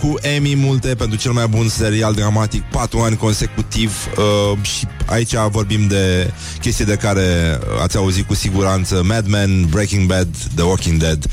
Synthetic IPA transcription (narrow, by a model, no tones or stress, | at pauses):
kuʔemimult̪e̞pe̞nt̪ɾut͡ʃe̞lmajbunse̞ɾiald̪ɾamat̪ik̚pat̪ɾuanʲko̞nse̞kut̪ivəʃia̰it͡ʃʲavo̞rbimd̪e̞ | kʲe̞st̪ijed̪e̞kaɾe̞a̰t̪sʲauzit̪̚kusiɡuɾant̪səmɛd̪mɛnbɾekʲiŋɡbɛd̪ːəwokʲiŋd̪ed̪